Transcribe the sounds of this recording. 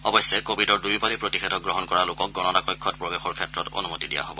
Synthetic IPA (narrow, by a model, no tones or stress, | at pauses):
ɔbɔjsːɛkobʱidɔɹdujpalipɹotixʰetɔk̚ɡɹɔɦɔnkɔɹalʊkɔk̚ɡɔnɔnakɔjkʰːɔtpɹobexɔɹkʰɛtɹɔto̰numotidija̰ɦo̰bɔ̰